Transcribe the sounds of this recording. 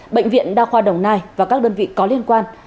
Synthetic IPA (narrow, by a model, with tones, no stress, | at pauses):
ɓəḛ˧˨jŋ̟vḭ˧˨ənɗaː˧xwaː˧ɗə˨˩wŋ͡mnaː˧jvaː˨˩kaː˦˥k̚ɗəː˧nvḭ˧˨kɔ˨˦li˧ənkwaː˧n